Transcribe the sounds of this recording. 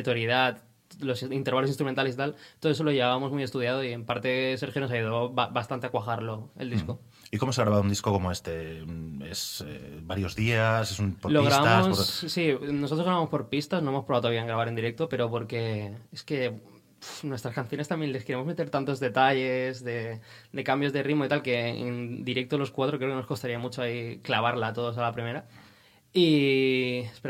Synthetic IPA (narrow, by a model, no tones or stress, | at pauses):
et̪oɾjeðat̪ | lo̞sint̪eɾβalos̬inst̪ɾument̪alesit̪alt̪oðesolo̞ʝeβaβamo̞zmuje̞st̪uð̞jað̞oie̞mpaɾt̪e̞se̞ɾxjono̞saʝuð̞oβaβast̪ant̪e̞akwaɣaɾlo̞eld̪isko̞ | iko̞moseaɣɾaβaðund̪iskokomoe̞st̪e̞ | esḛbaɾjo̞zðiasesunpoloɣɾaβaammosssino̞s̬ot̪ɾozɣɾaβamospo̞ɾpist̪asno̞emopɾβawt̪aβiaeŋɡɾaβaɾe̞nd̪iɾek̚t̪ope̞ɾo̞po̞ɾke̞eske̞ | nwe̞st̪ɾaskanθjo̞nest̪ambje̞nle̞skeɾemozme̞t̪e̞ɾt̪ant̪o̞zðe̞t̪aʎezðe̞ | d̪e̞kambjo̞zðe̞rimoit̪alke̞ḛnd̪iɾek̚t̪olo̞skwat̪ɾokɾekeno̞sko̞st̪aɾiamut͡ʃoaiklaβaɾlat̪o̞ð̞o̞salapɾime̞ɾa | i | espe